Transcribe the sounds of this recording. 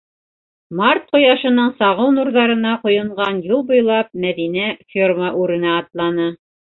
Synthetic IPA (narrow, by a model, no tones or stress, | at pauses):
mɑrt̪̚qŏjɑʃɤ̆nɤɴsɑʁɤwnuɾðɑɾɤ̆nɑqŏjɤ̆ɴɢɑnjulˠbŏjlˠɑp̚mæðinæfʲirməʔʉɾɘ̆næːt̪lˠɑnɤ